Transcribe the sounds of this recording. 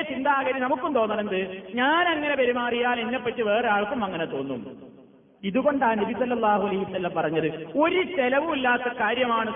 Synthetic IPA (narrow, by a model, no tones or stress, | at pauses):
ɐt͡ɕind̪aːɣɐɾjinɐmukːumt̪o̞ːnːɐnend̪ɨɲaːnɐŋːɐne̞pɐɾumaːrijaːlenːepːɐʈːɨʋe̞ːreaːɭkːumɐŋːɐnet̪o̞ːnːṵm | iðuɣo̞ɳɖaːnɐbisɐlːɐlˠːaːhuɐlɐɦiʋɐsɐlːɐmpɐrɐɲːɐðɨo̞ɾust̪elɐʋumilːaːt̪ːɐkaːɾjɐmaːɳɨ